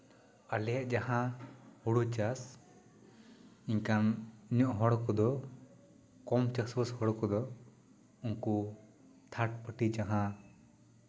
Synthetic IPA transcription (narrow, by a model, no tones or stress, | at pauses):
alɛjaʔd͡ʒahãhuɽut͡ʃas | iɲkanɲɔʔɦɔɽɔkɔd̪ɔ | kɔmt͡ʃaswəshɔɽɔkɔd̪ɔ | uŋku | t̪ʰaʈ̚pəʈid͡ʒaɦã